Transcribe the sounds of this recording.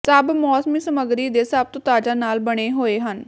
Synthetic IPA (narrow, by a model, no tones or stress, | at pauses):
səbmɔːsmiːsəməɡɾiːd̪eːsab̚t̪õt̪aːd͡ʒaːnaːlbəɽ̃eːɦoːeːɦən